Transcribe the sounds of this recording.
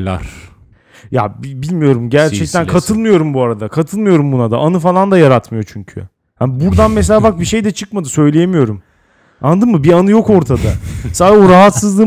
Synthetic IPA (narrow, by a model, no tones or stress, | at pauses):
la̰ɾ̥ | ja̰bibilʲmijo̞ɾumɟæɾt͡ʃʰɛct̪ʰænkʰat̪ʰɯlˠmɯjo̞ɾumbuaɾad̪akʰat̪ʰɯlˠmɯjo̞ɾumbunad̪a̰ʔanɯfalˠand̪ajaɾat̪mɯjo̞t͡ʃʰyɲcʰy̰ | hanbuɾd̪anmes̬elʲaːbak̚biʃe̞jd̪ɛt͡ʃʰɯkmad̪ɯsø̞jlʲe̞jemijo̞ɾum | and̪ɯmmɯbianɯjo̞ko̞ɾt̪ʰad̪asaːdɛoɾaɦat̪sɯzlˠɯ